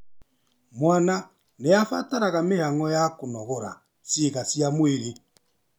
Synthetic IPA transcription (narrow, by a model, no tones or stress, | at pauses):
mwana | neafa̰taɾaɣamehaŋɔjakonɔɣɔɾa̰ | sjeɣasiamweɾe